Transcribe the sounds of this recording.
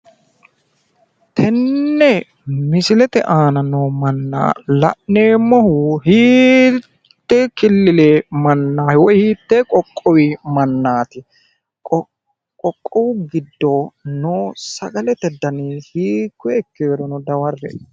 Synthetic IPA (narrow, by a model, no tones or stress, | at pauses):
t̪ʰɛnːɛ | mɪsɪlɛt̪ɛʔaːnɐnoːmɐnːa̰ːlɐ̰ʔneːmɔhʊhiː | t̪ːɛkɪlːɪleːmɐnːaːwɔhiːt̪ːekʼɔkʼːɔwimɐnːaːt̪ɪ | ɔ | kʼɔkʼːɔwɡɪd̪ːoːnoːsɐɡɐlɛt̪ɛd̪ɐniːhiːkːɛɛkːeːɾɔnɔd̪ɐwɐrːɛ̰